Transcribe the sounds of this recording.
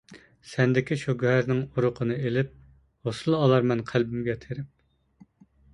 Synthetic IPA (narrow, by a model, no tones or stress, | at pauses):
sɛnd̪ɪkʲiʃoɡʲɦæɾnɪŋuɾʊqʰənɨelɪp̚ | hosɨlˠɑlˠɑɾmɛnqʰælbɪmɡʲɛt̪ʰeɾɪp̚